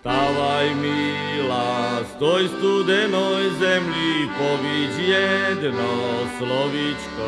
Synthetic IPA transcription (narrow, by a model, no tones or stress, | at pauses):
t̪aʋajmi | last̪ojst̪ud̪ɛnojzɛmʎipoʋid͡ʑjɛd̪noslɔʋit͡ʃko